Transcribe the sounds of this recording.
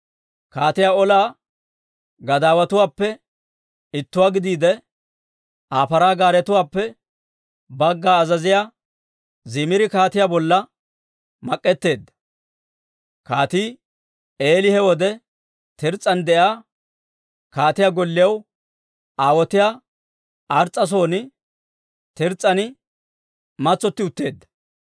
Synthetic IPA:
kaːt̪ɪjaːɔlaː | ɡɐd̪aːwɐt̪ʊwaːpːɛ | ɪt̪ːʊwaːɡɪd̪iːd̪ɛ | ʔaːfɐɾaːɡaːɾɛt̪ʊwaːpːɛ | bɐɡːaːzɐzɪjaː | zɪmɪɾɪkaːt̪ɪjaːbɔlːɐ | mɐkʼːɛt̪ːe̞ːd̪ːɐ̥ | kaːt̪iː | eːlɪhɛwɔd̪ɛ | t̪ɛɾt͡sʼːɐnd̪ɛʔjaː | kaːt̪ɪjaːɡɔlːɪjɐw | ʔaːwɔt̪ɪjaː | ʔɐɾt͡sʼːɐs̬o̞ːnɪ | t̪ɛɾt͡sʼːɐnɪ | mɐt͡sːɔt̪ːɪʊt̪ːe̞ːd̪ːɐ̥

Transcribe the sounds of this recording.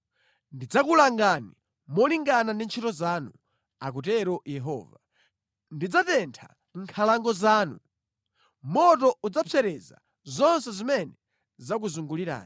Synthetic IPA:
ndid͡zakulaŋɡani | mɔliŋɡanandint͡ʃʰitɔzanu | a̰k̬ut̬ɛɾɔjɛɦɔ̰ːva | ndid͡zatɛntʰa̰ | ŋ̩kʰalaŋɡɔzaːnu | mɔtɔud͡zapʰɛɾɛza̰ | zɔns̬ɛzimɛnɛ | zak̬uzuŋɡuliɾa̰ːni

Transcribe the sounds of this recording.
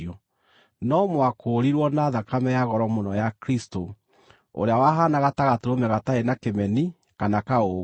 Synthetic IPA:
ɔ | nɔmwakʰoːɾiɾwɔnaðakamɛjaɣɔɾɔmonɔjakɾisto | o̰ɾeawaɦanaɣataɣatoɾomɛɣataenakemɛni | kanakao

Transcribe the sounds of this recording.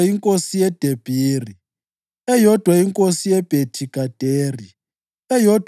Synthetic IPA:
iŋkʼosijɛd̥ʱeb̥ʱiːri | ɛjɔd̥ʱwaiŋkʼosijɛb̥ʱetʰiɡ̥ʱad̥ʱeːri | ɛjɔdʱ

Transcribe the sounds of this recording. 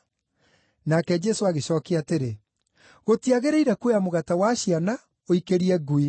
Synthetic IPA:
nakɛd͡ʒɛsoaɣeɕɔːkeateɾe | ɣotiaɣeɾeiɾɛkuejamoɣatawaɕiana | oikeɾiɛɡui

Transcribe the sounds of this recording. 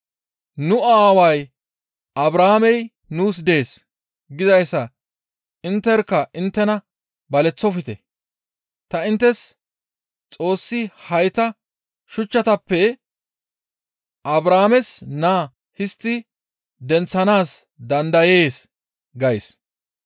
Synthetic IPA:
nʊaːwɐj | ʔɐbɾaːmɛj | nuːs̬d̪e̞ːs | ɡɪzɐjsːɐ | ɪnt̪ːɛɾkːɐʔɪnt̪ːɛnɐ | bɐlɛt͡sːɔfɪt̪ɛ | t̪ɐɪnt̪ːɛs | t͡sʼo̞ːsːɪhɐjt̪ɐ | ʃʊt͡ʃːɐt̪ɐpːɛ | ʔɐbɾaːmɛsnaː | hɪst̪ːɪ | d̪ɛnt͡sːɐnaːs | d̪ɐnd̪ɐje̞ːs | ɡɐjs

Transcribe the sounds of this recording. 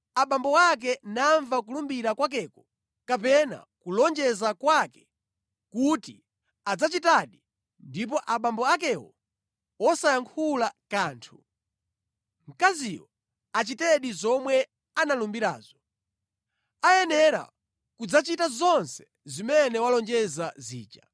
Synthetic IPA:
aɓambɔwak̬ɛnaɱvakulumbiɾakwak̬ɛːkɔ | kapɛna̰kulɔnd͡ʒɛzakwakɛ̥ | kuti | ad͡zat͡ʃitaɗi | ndip̬ɔʔaɓambɔak̬ɛwɔ̰ | wɔsajaŋkʰulakaːntʰu | m̩kazijɔ | at͡ʃitɛɗizɔmwɛ | analumbiɾa̰ːzɔ | ajɛnɛɾa̰ | kud͡zat͡ʃitazɔnsɛ̥ | zimɛnɛwalɔnd͡ʒɛzazḭːt͡ʃa̰

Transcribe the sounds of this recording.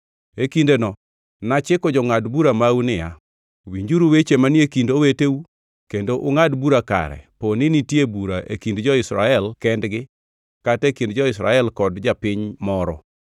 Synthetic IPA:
ekindenɔ | nat͡ʃɪkɔd͡ʒɔŋadbuɾamaunɪja̰ | wiɲd͡ʒuɾuwet͡ʃemanekindoweteu | kendoʔʊŋadbuɾaka̰ɾɛ̰ponɪnitjebuɾaʔḛkindd͡ʒɔɪsɾa̰ɛlkɛndɡɪ | katekindd͡ʒɔɪsɾa̰ɛlkɔdd͡ʒapɪɲmɔɾɔ̰

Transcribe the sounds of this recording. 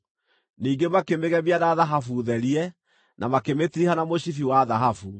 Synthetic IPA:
niːŋɡemakemeɣɛmiaðaðaɦafuðɛɾiɛ | nʔamakemetiɾihanamoɕifiwaðaɦafu

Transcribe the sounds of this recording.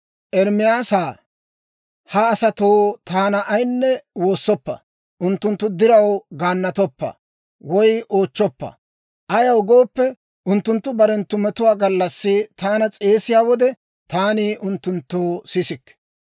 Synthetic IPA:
ʔɛɾmɪjaːsaː | hɐːsɐt̪oːt̪aːnɐʔːjnːɛwo̞ːsːɔpːɐ̰ | ʔʊnt̪ːʊnt̪ːʊd̪ɪɾɐwɡaːnːɐt̪ɔpːɐ̰ | wɔjʔo̞ːt͡ʃːɔpːɐ̰ | ʔɐjɐwɡo̞ːpːɛ | ʊnt̪ːʊnt̪ːʊbɐɾɛnt̪ːʊmɛt̪ʊwaːɡɐlːɐsːɪt̪aːnɐt͡sʼe̞ːsɪjaːwɔd̪ɛ | t̪aːniːʔʊnt̪ːʊnt̪ːoːsɪsɪkː

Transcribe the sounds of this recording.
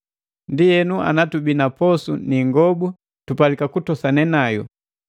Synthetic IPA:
ndijɛnua̰natubinapɔsuniŋɡɔbu | tupalikakutɔsanɛnajɔ̰

